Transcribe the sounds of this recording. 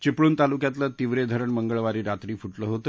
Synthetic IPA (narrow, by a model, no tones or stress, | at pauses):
t͡ɕipɭuːnt̪alukjat̪lət̪iʋɾed̪ʱəɾəɳməŋɡəɭʋaɾiːɾat̪ɾiːfuʈləːɦot̪ə